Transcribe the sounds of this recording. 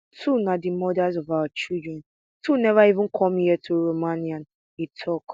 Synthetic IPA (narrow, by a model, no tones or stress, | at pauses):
tʰunadimɔdazɔvawat͡ʃildɹɛ̃n | tʰunɛvaivɪ̃nkʰɔ̃mjɛtʰuɹomãniãn | itʰɔk